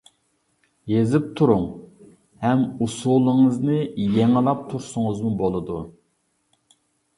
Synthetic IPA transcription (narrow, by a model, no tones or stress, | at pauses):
jezɪp̚t̪ʰuɾuŋ | hɛmusulˠɨŋɨznɨjeŋlˠɑp̚t̪ʰuɾsʊŋʊzmubolˠɨd̪u